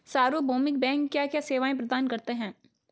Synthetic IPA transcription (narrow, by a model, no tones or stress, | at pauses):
saːɾobʱoːmɪk̚bɛ̃ːŋkːjakjaseːʋaːẽpɾɐd̪aːnkɐɾt̪eɦɛ̃ː